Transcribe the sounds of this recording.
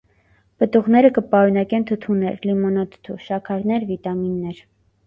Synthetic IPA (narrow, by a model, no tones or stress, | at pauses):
pət̪uʁnɛɾəkəpɑɾunɑkɛnt̪ʰət̪ʰunɛ̰ɾlimɔnɑt̪ʰt̪ʰuʃɑkʰɑɾnɛɾvit̪ɑminːɛɾ